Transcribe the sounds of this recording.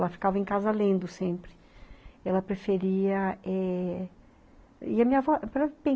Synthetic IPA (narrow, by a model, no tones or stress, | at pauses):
ɛlɐfi̥kavɐẽj̃kazɐlẽnd̪ʊsẽmpɾɪ̥ | ɛlɐpɾefeɾiɐɛ | ɪɐmĩɲɐvɔpɾɛpẽ